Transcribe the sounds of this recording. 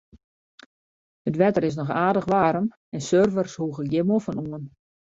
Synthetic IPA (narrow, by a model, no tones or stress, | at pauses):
hətʋɛtərɪs̬nɔxaːdəxʋaːɾəm | ɛnsørvərshuːɣəɡjɪmofənuən